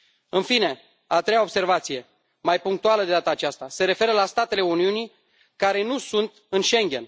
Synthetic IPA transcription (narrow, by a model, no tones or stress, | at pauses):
ɨnfine̞ | at̪ɾejaobse̞rvat̪sije̞ | majpuŋk̚t̪ualəd̪e̞d̪at̪əːt͡ʃast̪ase̞ɾe̞fe̞ɾəlast̪at̪e̞le̞uniuni | kaɾe̞nusunt̪ɨnʃe̞ŋɡʲe̞̰n